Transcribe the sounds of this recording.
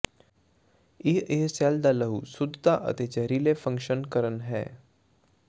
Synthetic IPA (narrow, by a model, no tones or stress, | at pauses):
ieɦsaːld̪aləɦusʊd̪ʱt̪aʔə̰t̪et͡ʃəɾiːlefə̃ŋkʃənkəɾənɦɛ̰ː